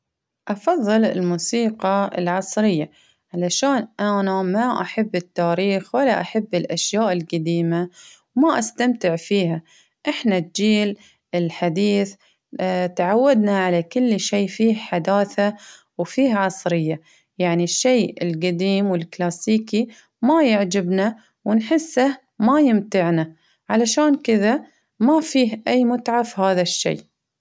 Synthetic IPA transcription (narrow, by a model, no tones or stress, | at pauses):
ʔɑfɑðˤːɨlɪlmuːsiːqɑɪ̰lʕɑsˤɾɪjːa | ʕalaʃaːnʔanamaʔaħabːɪt̪ːaːɾiːxwɪlaʔaħabːɪlʔaʃjaːʔɪlɡad̪iːma | wmaʔast̪amt̪ɪʕfiːha | ʔɪħnat̪̚d͡ʒiːl | ɪlħad̪iːθ | t̪aʕawːad̪naʕalakʊlːʃeːfiːhħad̪aːθa | wfiːhʕɑsˤɾɪjːa | jaʕniʃːeːɪ̰lɡad̪iːmwɪlklaːsiːki | majɪʕd͡ʒɪbna | wɪnħɪsːah | majɪmt̪ɪʕna | ʕalaʃaːnkɪða | mafiːɦʔajːmʊt̪ʕafhaːðaʃːḛː